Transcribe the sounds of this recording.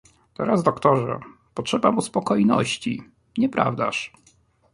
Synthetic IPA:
t̪ɔɾazd̪ɔkt̪ɔʐɛ̰ | pɔtʂɛbamuspɔkɔjnɔ̰ɕt͡ɕḭ | ɲɛpɾa̰vd̪a̰ʂ

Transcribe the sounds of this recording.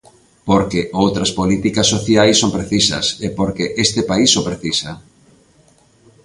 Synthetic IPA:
poɾkeʔowt̪ɾɐspolit̪ikɐsːoθjajsːompɾeθisɐ̰sepoɾkeʔest̪ɪpaisopɾeθisɐ

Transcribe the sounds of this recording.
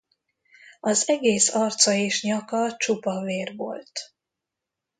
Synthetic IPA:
ɒzɛɡeːsɒrt̪sɒeːʃɲɒkɒt͡ʃupɒveːrvo̰lt̪

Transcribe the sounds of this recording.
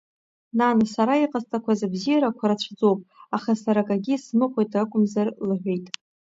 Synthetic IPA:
nanasaɾaiqʼastʰʼakʷʰazabzijaɾakʷʰaɾat͡ɕʷʰd͡zo̞wpʼaχasaɾakʼaɡʲismɨχʷejtʼrakʷʼʊmzarlɨħʷᶣejtʼ

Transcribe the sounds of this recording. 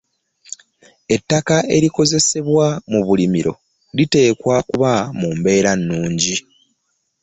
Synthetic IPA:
e̞tːakae̞ɾiko̞ze̞se̞βwamuβulimiɾo̞̰ | lite̞ːkwakuβamuːmbe̞ːɾanːuːɲɟi

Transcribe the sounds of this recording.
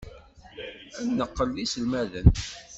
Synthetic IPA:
ænːəqːəlːislmæðən

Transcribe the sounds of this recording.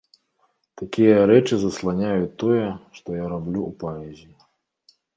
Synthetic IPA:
t̪akʲijɐɾɛt͡ʂɨzɐslˠanʲajut̪ːɔjɛʂt̪ɔjaɾablʲuupaɛzʲi

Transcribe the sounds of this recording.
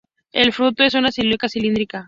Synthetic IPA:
e̞lfɾut̪oe̞sunasiluikasilind̪ɾika

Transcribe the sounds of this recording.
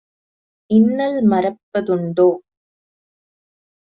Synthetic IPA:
ɪnːɐlmɐɾɐpːɐðɯɳɖoː

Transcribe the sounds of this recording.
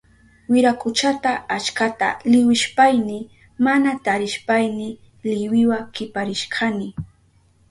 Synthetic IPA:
wɪɾakʊt͡ʃat̪aat͡ʃkat̪a̰lɪwɪʃpajnɪ | manat̪aɾɪʃpajnɪ | lɪwɪwakɪpaɾɪʃkʰɑnɪ

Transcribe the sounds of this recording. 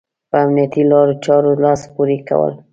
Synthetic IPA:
pəamnijat̪ilɑɾot͡ʃɑɾolɑspuɾika̰wə̰l

